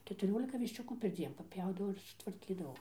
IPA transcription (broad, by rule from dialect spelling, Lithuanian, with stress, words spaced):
kʲɛtʊˈrʲoːlʲɪkɐ ʋʲɪʃʲˈt͡ʃʲʊkuː pʲɛrʲˈd͡zʲiɛn pɐˈpʲjɛʊdɐʋɐʊ ɪr sʊtʋɐrʲˈkʲiːdɐʋɐʊ